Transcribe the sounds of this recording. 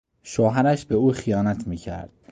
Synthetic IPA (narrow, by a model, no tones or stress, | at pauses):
ʃoːɦæɾæʃbeuːxijɒːnæt̪ʰmiːcʰæ̰ɾd̪̥̚